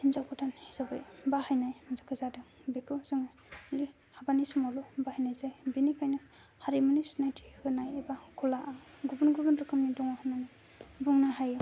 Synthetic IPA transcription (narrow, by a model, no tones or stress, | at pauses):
inzawkʰɔtʰanhizabajbahajnajzakʰɯzadɯŋbekʰɯzɯŋajli | habanisumalɔbahajnajzajbinikʰajnɯ | haɾimɯnisnajtʰihɯnajebaɡʰulaʔaɡubunɡubunɾɯkʰɯmnidɔŋahɯnana | buŋnaɦaj